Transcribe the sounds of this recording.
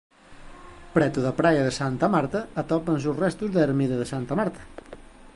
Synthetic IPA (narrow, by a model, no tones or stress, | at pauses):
pɾɛt̪uðɐpɾajɐðesant̪ɐmaɾt̪ɐːt̪ɔpɐns̬usrɛst̪uzðɐeɾmiðɐðesant̪ɐmaɾt̪ɐ̥